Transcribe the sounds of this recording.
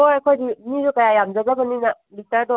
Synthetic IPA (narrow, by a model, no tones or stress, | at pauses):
ojɐkʰojdimizukɐjajamzazabɐnina | bik̚tɐɾdɔ